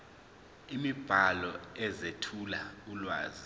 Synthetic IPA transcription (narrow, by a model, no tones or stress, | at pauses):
imib̥ʱalɔɛzetʰulaulwa̰ːzi